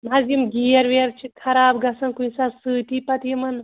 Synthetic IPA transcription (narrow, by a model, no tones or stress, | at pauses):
mazimɡijɐɾʋeɾt͡ʃʰikʰɐɾaːbɡɐsɐnkunsasɨːt̪ipɐt̪imɐn